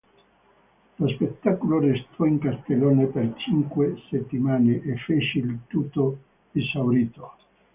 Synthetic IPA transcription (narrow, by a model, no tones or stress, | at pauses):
lospet̪ːakolorest̪ʰɔiŋkast̪eloːnepert͡ʃiŋkweset̪ːimaːneʔefːet͡ʃelt̪ut̪ːo | isawɾiːt̪o